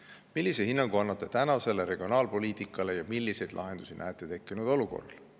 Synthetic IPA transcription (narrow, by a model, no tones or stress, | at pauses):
milːisehinːɑŋɡ̥uɑnːɑt̪ːˑe̞t̪ænɑse̞leɾe̞ɡ̥io̞nɑːlpo̞liːt̪ˑikːˑɑlejɑmilːise̞jd̪̥lʔɑ̰ɦe̞nd̪̥usinʔæ̰ːt̪ːˑe̞t̪e̞kˑːinud̪̥o̞luko̞̰rɑl